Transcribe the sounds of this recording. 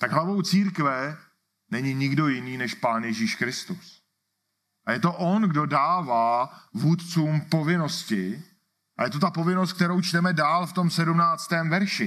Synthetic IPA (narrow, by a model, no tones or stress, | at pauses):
t̪aɡɦlavo̞wt͡siːɾkvɛ | nɛɲɪɲɪɡdo̞jɪniːnɛʃpaːnjɛʒiːʃkɾɪst̪us | ʔajɛt̪o̞ʔo̞nɡdo̞daːvaːvuːt̪t͡suːmpo̞vɪno̞scɪ | ʔa̰jɛt̪o̞t̪apo̞vɪnost̪k̚t̪ɛɾo̞wt͡ʃt̪ɛmɛdaːlft̪o̞msɛdumnaːt͡st̪ɛːmvɛɾʃɪ